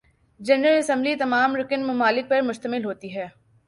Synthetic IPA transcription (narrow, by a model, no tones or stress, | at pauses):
d͡ʒɛnɾəlɐsɛ̃mblit̪ɐmaːmɾʊkɪnmɐmaːlɪk̚pɐɾmʊʃt̪əmɪlɦoːt̪iɦɛː